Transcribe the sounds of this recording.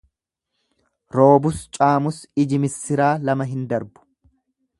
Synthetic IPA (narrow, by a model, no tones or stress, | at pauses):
ɾo̞ːbʊst͡ʃʼaːmʊsɪd͡ʒɪmɪsːɪɾaːlɐmɐɦɪnd̪ɐɾbʊ̥